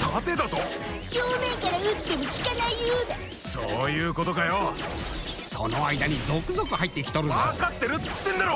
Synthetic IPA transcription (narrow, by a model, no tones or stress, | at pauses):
t̪ʰat̪ed̪at̪o | ɕoːmẽ̞ŋkaɾajɯt̪ːe̞mɯ̟kʲi̥kanaijɯːd̪a | soːjɯːko̞t̪o̞kajo | so̞̰no̞aid̪aɲ̟id͡zo̞kɯ̟zo̞kɯ̟hait̪ːe̞ikʲi̥t̪o̞ɾɯkat̪ːeɾɯ̟ | t̪ːẽ̞nd̪aɾo